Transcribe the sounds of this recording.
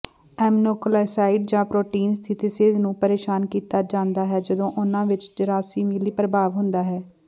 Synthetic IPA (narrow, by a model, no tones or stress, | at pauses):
ɛːmnoːkolaːsaːiɖd͡ʒãːpɾoːʈiːnst̪ʰɪt̪iseːznũːpəɾeːʃaːnkiːt̪aːd͡ʒãːnd̪aːɦɛːd͡ʒəd̪õːʔʊnãːʋɪt͡ʃd͡ʒəɾaːsiːmɪliːpɾəbaːʋɦʊ̃nd̪aːɦɛː